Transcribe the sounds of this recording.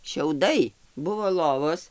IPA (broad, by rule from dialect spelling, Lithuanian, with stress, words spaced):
ʃʲɛʊˈdɐɪ ˈbʊʋoː ˈlˠoːʋoːs